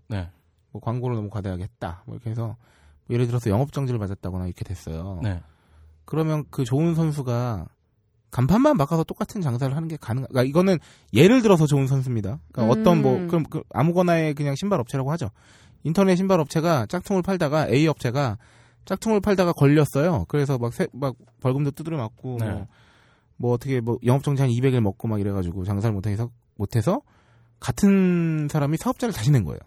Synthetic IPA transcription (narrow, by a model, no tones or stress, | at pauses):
ne̞ | mʌkwaŋɡoɾɯɭnʌmukwadeɦaɡeɦet̚t͈a̰mʌiɾkʰees̬ʰʌ | mʌje̞ɾɯɭt̬ɯɾʌsʰʌjʌŋʌp̚t͡ɕ͈ʌŋd͡ʑiɾɯɭmad͡ʑat̚t͈aɡonaiɾʌkʰe̞dwe̞s͈ʌjo̰ne | kɯɾʌmjʌnkɯt͡ɕoɯns̬ʰʌns̬ʰuɡa | kampʰanmːanmakʰasʰʌt͈ok͈atʰɯnt͡ɕaŋs̬ʰaɾɯɭɦanɯnɡe̞kanɯŋɡak͈aiɡʌnɯn | je̞ɾɯɭtɯɾʌs̬ʰʌt͡ɕoɯnsʰʌnsʰumɲidak͈aʌt͈ʌnmwʌkɯɾʌmkɯʔa̰muɡʌnae̞k̬ɯɲaŋɕʰimbaɾʌp̚t͡ɕʰeɾaɡoɦad͡ʑo | intʰʌneɕʰimbaɾʌp̚t͡ɕʰe̞ɡat͡ɕ͈ak̚tʰoŋɯɭpʰaɭdaɡaʔe̞iʌp̚t͡ɕʰe̞ɡa | t͡ɕ͈ak̚tʰoŋɯɭpʰaɭdaɣakʌʎːʌs͈ʌjokɯɾe̞sʰʌmak̚sʰemak̚ | pʌɭɡɯmdot͈udɯɾɯmak̚k͈o | mwʌːtʰʌkʰe̞mwʌjʌŋʌp̚t͡ɕ͈ʰʌŋd͡ʑiɦanibe̞ɡiɭmʌk̚k͈omaɡiɾe̞ɡad͡ʑuɡot͡ɕaŋsʰaɾɯɭmotʰesʰʌ | motʰe̞sʰʌ | katʰɯnsʰaɾamisʰaʌp̚t͡ɕ͈aɾɯɭtaɕ̬ʰinɯnɡʌ̰ḛjo̰